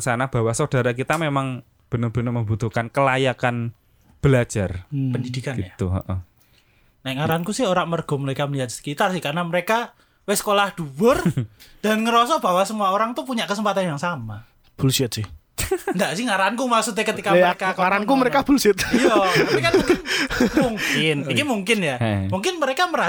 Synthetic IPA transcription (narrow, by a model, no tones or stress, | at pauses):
sanab̥awahsod̥a̤ɾakit̪amemaŋ | b̥ə̤nərb̥ə̤nərməmbut̪uhkankəlajakan | b̥əlḁd͡ʒ̥arpəndid̪ikaɡiat̪uɔ̰ʔɔ | naɛʔŋaɾaankusɪɦoɾaʔmərɡ̥ɔ̤məɾekaməliɦat̪̚skit̪asɪhkarnaməɾeka | wesə̥kolahd̪̥uwərd̥a̤nŋəɾɔsɔʔb̥a̤wasəmuaoɾaŋt̪upuɲaʔkəsəmpat̪anjaŋsama | b̥ulsiət̪̚sɪh | nd̪aʔsɪhŋaɾankumasut̪̬ɲeakət̪ikamɾkaaɾankuməɾekab̥ulsiət̪jɔməekau | muŋkɪnikimuŋkɪnjamuŋkɪnməɾekaməɾa